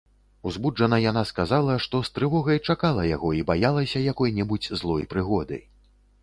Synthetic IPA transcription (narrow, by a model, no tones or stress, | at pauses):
uzbud͡ʐʐɐnɐjanaskazalˠɐʂt̪ɔst̪ɾɨvɔɣɐjt͡ʂakalˠɐja̰ɣɔibajalˠɐsʲɐjakɔjnʲɛbud͡zʲzlˠɔjpɾɨɣɔd̪ɨ̰j